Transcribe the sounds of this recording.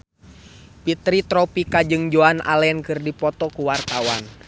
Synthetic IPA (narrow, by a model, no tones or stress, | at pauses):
pit̪ɾit̪ɾɔpikad͡ʒɨŋd͡ʒoanʔa̰lɛnkɨrdipɔt̪ɔkuwart̪awan